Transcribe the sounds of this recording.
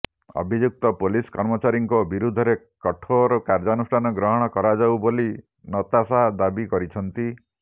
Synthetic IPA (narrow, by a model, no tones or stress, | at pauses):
ɔ̰bʱid͡ʒuk̚t̪ɔpoliskɔɾmɔt͡ʃaɾiŋkɔbiɾud̪ʱɔɾe | kɔʈʰoɾɔkaɾd͡ʒanusʈʰanɔɡɾɔɦɔɽ̃ɔkɔɾad͡ʒawboli | nɔt̪asad̪abikɔɾit͡ʃʰɔnt̪i